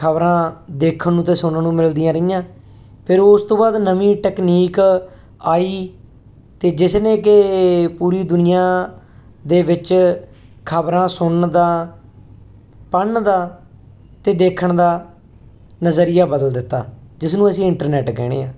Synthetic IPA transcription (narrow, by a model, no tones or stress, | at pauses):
kʰəbɾãːd̪eːkʰənnũːt̪eːsʊnnũːmɪld̪ɪijãːɾəɪjãː | pʰɪɾʊst̪õːbaːd̪nəʋĩːʈɛːkniːk | aːiː | t̪eːd͡ʒɪsnẽːkɪpuːɾiːd̪ʊnɪjãː | d̪eːʋɪt͡ʃ | kʰəbɾãːsʊɳd̪aː | pəɳd̪aː | t̪eːd̪eːkʰəɳd̪aː | nəzəɾɪjaːbəd̪əld̪ɪt̪ːa̰ːd͡ʒɪsnũːəsĩːɪɳʈəɾnɛːʈkɛ̰ːɽ̃ḛːãː